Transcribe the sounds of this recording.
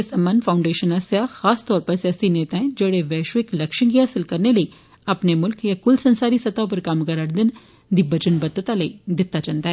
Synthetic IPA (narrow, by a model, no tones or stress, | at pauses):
esɐmːə̃nfʰãːʊ̃ɳɖeːʃənɐsjaxaːst̪ɔːɾpɐɾsjaːsineːt̪aɦɛ̃d͡ʒɐɽeʋɛːʃʋɪklɐkʃə̃ɡiɦaːsɪlkɐɾnelɐi | ɐpnemʊlkjakʊlsɐ̃nsaːɾisɐt̪ãp̬ɐɾkaːmkɐɾaːɾd̪ɪn | d̪ibɐd͡ʒənbɐd̪ət̪alɐid̪ɪt̪ːat͡ʃɐnt̪aɦɛ